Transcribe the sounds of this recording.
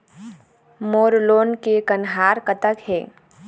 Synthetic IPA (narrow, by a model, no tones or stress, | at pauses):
moːɾloːnkekənɦaːɾkət̪əkɦɛ̰ː